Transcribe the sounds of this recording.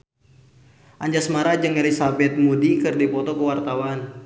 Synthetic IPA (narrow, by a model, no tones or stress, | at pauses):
ʔaɲd͡ʒasmaɾad͡ʒɨŋelisabɛt̪̚mudikɨrdipɔt̪ɔkəwart̪awan